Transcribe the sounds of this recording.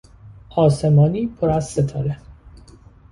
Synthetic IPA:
ɒːse̞mɒːniːpʰoɾæzset̪ʰɒːɾe

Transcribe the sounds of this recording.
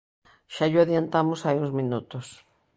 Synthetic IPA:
ʃaʎʊaðjant̪amʊsajũŋzmĩnut̪ʊs

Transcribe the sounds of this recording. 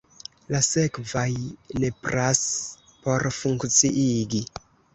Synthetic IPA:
lase̞kvajne̞pɾas | po̞ɾfuŋkt͡siʔiɡi

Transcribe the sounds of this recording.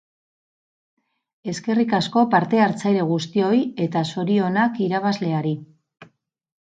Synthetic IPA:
e̞ske̞rikasko̞paɾt̪e̞aɾt͡sajɾe̞ɣ̞ust̪io̞je̞t̪aso̞ɾio̞nakiɾaβazle̞aɾi

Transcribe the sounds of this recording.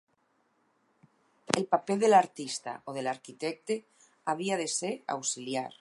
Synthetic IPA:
elpapelðelaɾt̪ist̪a̰ʔoð̞elaɾkit̪ek̚t̪e | aβ̞iaðeseɾa̰wsiljaɾ

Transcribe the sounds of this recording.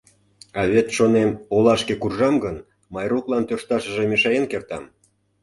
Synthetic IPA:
ɑβet̪ʃonemolɑʃkekurʒɑmɡən | mɑjruklˠɑnt̪ørʃt̪ɑʃə̆ʒemeʃɑjenkert̪ɑm

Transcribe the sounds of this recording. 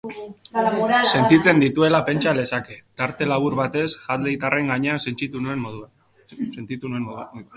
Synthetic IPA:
se̞nt̪it͡se̞nd̪it̪ue̞lape̞nt͡ʃale̞sake̞t̪aɾt̪e̞laβ̞uɾβat̪e̞sʝald̪eit̪are̞ŋɡaɲe̞asent͡ʃit̪unue̞mmoðua | ent̪it̪unue̞

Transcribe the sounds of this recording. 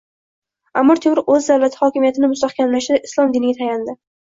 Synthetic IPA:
amːɒɾt̪ʰemɾɪʔɵzd̪awlat̪ʰɪ̥hɒkʲɪmijat̪ʰɪnɪmʊst̪aχkʲʰamlaʃɪd̪aɪslˠɒmd̪ɪnɪɡʲat̪ʰajand̪ɪ

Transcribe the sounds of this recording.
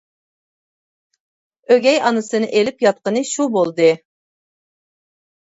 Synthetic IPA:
øɡʲɛjɑnɨsɨnɨʔelɪpjɑt̪̚qənɨʃubolˠd̪ɨ

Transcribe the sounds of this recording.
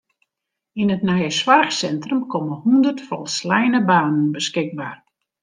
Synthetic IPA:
inətnajəswarxsɛntrəmkʰɔməhundərtfɔlˠslɛjnəbaːnənbəskɪɡ̚baːr

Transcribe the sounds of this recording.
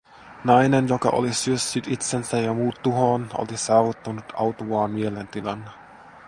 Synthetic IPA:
nɑjnenjokɑ̰ʔo̰lisyøsːyt̪it̪sensæjɑmuːt̪tːuɦoːno̰lisɑːʋut̪ːɑnut̪ɑwt̪uʋɑːmmielent̪ilɑnː

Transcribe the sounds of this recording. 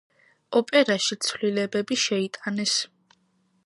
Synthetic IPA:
ɔpʼɛɾaʃit̪sʰvlilɛbɛbiʃɛit̪ʼanɛs

